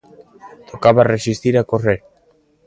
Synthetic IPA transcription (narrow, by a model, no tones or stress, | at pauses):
t̪ʰokaβaresist̪iɾakoreɾ